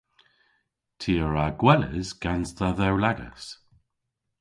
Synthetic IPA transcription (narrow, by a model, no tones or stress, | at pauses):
tʰiːəɹaɡwɛlə̰zɡ̥ansðəðɛwlaɡə̰s